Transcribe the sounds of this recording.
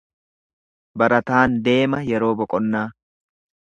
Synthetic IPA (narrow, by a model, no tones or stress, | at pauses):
bɐɾɐt̪aːnd̪e̞ːmɐjɛɾo̞ːbɔkʼɔnːaː